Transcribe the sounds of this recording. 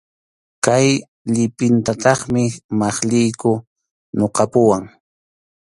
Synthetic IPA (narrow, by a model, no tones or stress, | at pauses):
kaj | ʎɪpɪnt̪at̪ɑχmɪmɑχʎɪjkʊ | noqɑpʊwaŋ